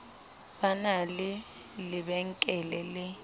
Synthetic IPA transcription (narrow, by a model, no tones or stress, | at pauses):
banalɪ | lɪbɛŋ̩kʼɛlɛlɪ